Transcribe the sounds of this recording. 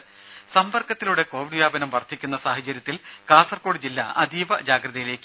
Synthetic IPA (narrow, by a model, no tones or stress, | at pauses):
sɐmpɐrkɐt̪ːiluɽe̞ko̞ːʋiɖʋjaːbɐnɐmʋɐrt̪ʰːikʲːunːɐsaːɦɐt͡ɕːɐɾjɐt̪ːilkaːsɐrko̞ːɽid͡ʑilːɐ̰ɐ̰d̪ʱiːʋɐd͡ʑaːɡrɐðɐjile̞ːkʲː